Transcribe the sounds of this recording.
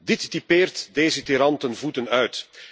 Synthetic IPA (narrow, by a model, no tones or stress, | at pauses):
dɪtdipeːrtdeːzətiɾɑntənvutənœɥt